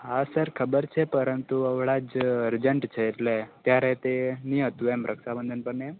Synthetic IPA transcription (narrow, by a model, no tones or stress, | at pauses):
ɦasəɾkʰəbəɾt͡ʃʰepəɾənt̪uəʋɭad͡ʒəɾd͡ʒəɳʈt͡ʃʰeːt̪let̪jaɾet̪eniɦət̪uɛmɾʔəkʃabənd̪ʱənpəɾnem